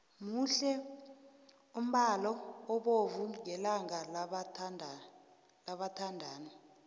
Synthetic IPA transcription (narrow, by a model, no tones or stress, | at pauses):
muɬɛ | um̩ɓalɔːɓovuŋɛlaŋalʰnʱ | laɓatʰandʱaːni